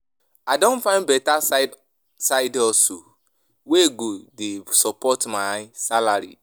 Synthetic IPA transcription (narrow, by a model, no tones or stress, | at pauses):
adɔ̃nfãɪnbɛta | saɪdɔso | weɡodesɔpɔtmasalaɾḭ